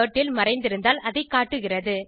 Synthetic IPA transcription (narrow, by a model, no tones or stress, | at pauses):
ɐʈːɪlmɐɾɐɪnd̪ɪɾɯnd̪aːlɐðɐɪkːaːʈːɯɣɪrɐðɯ